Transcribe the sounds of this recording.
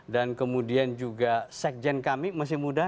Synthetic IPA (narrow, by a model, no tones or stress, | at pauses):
dankəmudiand͡ʒuɡasɛk̚d͡ʒɛnkamimas̬ɪhmuda